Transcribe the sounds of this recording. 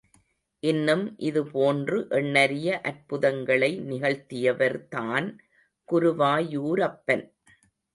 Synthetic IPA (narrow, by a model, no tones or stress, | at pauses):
ʔɪnːɯmʔɪðɯpoːndrɯʔɛɳːɐɾɪjɐʔɐɾpʊðɐŋɡɐɭɐɪnɪɣɐɭt̪ɪjɐʋɐɾt̪aːn | kʊɾʊʋaːjuːɾɐpːɐn